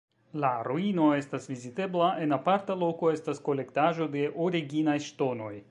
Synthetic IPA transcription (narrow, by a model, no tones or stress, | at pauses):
laɾuino̞e̞st̪asvizit̪e̞blaʔe̞napaɾt̪alo̞ko̞e̞st̪asko̞le̞kt̪aʒo̞d̪e̞ʔoɾiɡinajʃt̪o̞no̞j